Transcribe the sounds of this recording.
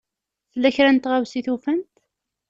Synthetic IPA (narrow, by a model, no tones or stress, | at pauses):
θəlːæçɾænt̪ʁawsiθufənt̪